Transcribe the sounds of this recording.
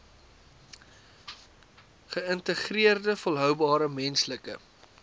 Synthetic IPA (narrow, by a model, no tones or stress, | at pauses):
χəəntəχriərdəfɔlˠɦœwbɑːɾəmɛnsləkə̰